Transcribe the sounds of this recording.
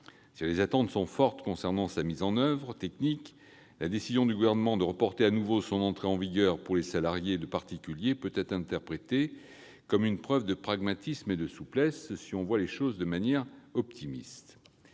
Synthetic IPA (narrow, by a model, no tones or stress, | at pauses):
silezat̪ɑ̃t̪sɔ̃fɔʁt̪kɔ̃sɛʁnɑ̃samizɑ̃nœvʁət̪ɛknik | lad̪esizjɔ̃d̪yɡuvɛʁnəmɑ̃d̪əʁəpɔʁt̪eanuvosɔ̃nɑ̃t̪χeɑ̃viɡœʁpuʁlesalaʁjed̪əpaʁt̪ikʲyljepøt̪ɛt̪χɛ̃t̪ɛʁpχet̪e | kɔmynpχœvd̪əpχaɡmat̪ismed̪əsuplɛssiɔ̃vwaleʃozd̪əmanjɛʁɔpt̪ʰimḭst̪